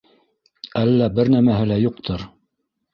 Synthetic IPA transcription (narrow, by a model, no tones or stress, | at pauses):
ælːæbɘɾnæmæɦɘlæjuq̚t̪ʰɤɾ